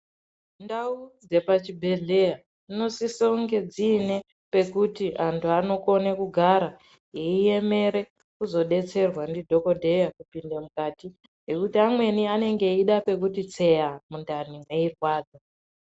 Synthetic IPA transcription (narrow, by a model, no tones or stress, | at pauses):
ndaud͡ze̞pat͡ʃibʱe̞ɮe̞ja | ino̞sisouŋɡe̞d͡ziːne̞ | pe̞kutiʔantʰuano̞ko̞nekuɡʱaɾa | jeie̞me̞ɾe̞ | kuzo̞ɗe̞t͡se̞rwandidʱo̞ko̞dʱe̞jakupindemukaːti | ɦe̞kutiamwe̞niane̞ŋɡe̞iɗape̞k̬utit͡se̞jamundanimwe̞irwaːd͡za